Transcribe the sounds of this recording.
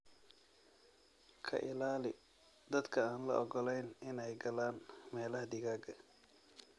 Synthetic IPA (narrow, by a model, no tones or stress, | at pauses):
kʰɐ̰ʔɪlaːlɪ | d̪ɐd̪kʰɐaːnlɐ̰ʔɔɡɔlɛjnɪnɛjɡɐlaːnmɛːlɐɦɐd̪ɪɣaːɡɐ